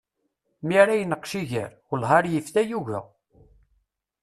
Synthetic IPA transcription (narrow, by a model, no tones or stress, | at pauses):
miɾæjənəqʃiʝə̰ɾ | ʊlɦɑɾjəfθæjuʝæ̰